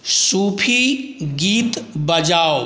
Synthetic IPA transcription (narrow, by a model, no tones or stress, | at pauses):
suːpʰiɡiːt̪bɐd͡ʒaːo